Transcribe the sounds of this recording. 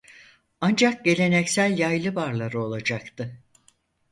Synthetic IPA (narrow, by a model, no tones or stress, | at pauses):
and͡ʒak̚ɟe̞lʲe̞nɛcsælʲjajlˠɯbaɾlˠaɾɯo̞lˠad͡ʒakt̪ʰɯ